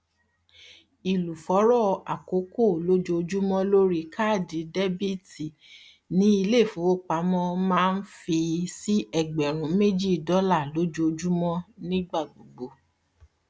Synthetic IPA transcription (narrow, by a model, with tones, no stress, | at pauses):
i˨lu˨fɔ˨˦ɾɔ˦˨a˨ko˨˦ko˦˨lo˦d͡ʒo˧o˧d͡ʒu˦mɔ̃˦lo˦ɾi˦kʰa˦˨di˨˦dɛ˦bi˦ti˨ | nĩ˦i˧le˦˨fũ˨˦o˦˨k͡pa˨˦mɔ̃˦mãː˦˧n̩˦fi˧si˦ʔɛ˦˨ɡ͡bɛ˨ɾ̃ũ˨˧˦me˦d͡ʒi˦˨dɔ˨˦la˦˨lo˦d͡ʒo˧o˧d͡ʒu˦mɔ̃˦nĩ˦ɡ͡ba˦˨ɡ͡bo˨ɡ͡bo˨˦